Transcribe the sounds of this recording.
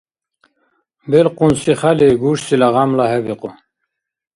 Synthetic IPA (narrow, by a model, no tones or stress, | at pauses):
belqunsiχaleɡuʂsilaʁamlaɦebiqu